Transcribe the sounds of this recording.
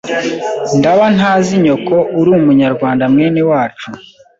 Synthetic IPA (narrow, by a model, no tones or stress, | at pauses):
ndaβanhaːziɲo̞kouɾumuɲaɾɡwaːndamweːniwaːt͡ʃu